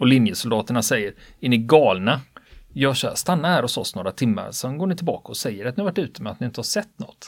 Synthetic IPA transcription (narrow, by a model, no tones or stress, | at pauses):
ɔlɪnjəsʊld̪ɑːt̪əɳasɛjːəɾɪnːɪɡɑːlnajɑːɡɕœ̰ːst̪anːahæːɾɔsɔsnoːɾat̪ʰɪmːa̰ɾsɔɛnɡoːɳɪt̪ʰɪlbɑ̰ːkaɔsɛjːəɾɛat̪nɪhavaʈːʉ̟ːt̪əmɛat̪nɪɪnt̪əhaʂɛt̪ːnɔ̰t̪ː